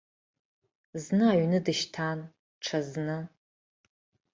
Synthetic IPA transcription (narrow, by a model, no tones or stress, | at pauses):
znɨaɥnɨdɨʃtʰan | ʈ͡ʂʰaznɨ